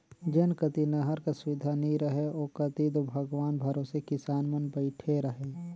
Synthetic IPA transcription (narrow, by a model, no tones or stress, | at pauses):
d͡ʒɐnkət̪inɐɦəɾkasʊʋɪd̪ʱaniɾəɦeoːkɐt̪id̪obʱɐɡʋaːnbʱɐɾoːsekɪsaːnmənbəɪʈʰeɾɐɦeː